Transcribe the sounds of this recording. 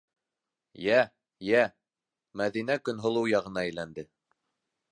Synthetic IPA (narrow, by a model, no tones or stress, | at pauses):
jæ | jæ | mæðinækɵnɦŏlˠɤwjɑʁɤ̆nɑɘ̆jlænd̪ɘ